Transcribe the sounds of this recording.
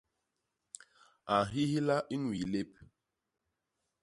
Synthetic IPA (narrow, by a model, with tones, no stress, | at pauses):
a˨ɦi˦hi˦la˦ʔi˦nwi˨le˦p̚